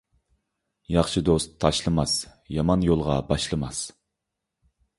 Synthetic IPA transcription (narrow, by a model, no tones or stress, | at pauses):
jɑχʃɨd̪ost̪ʰːɑʃlˠɨmɑsjɑmɑnjolˠʁɑbɑʃlˠɨmɑs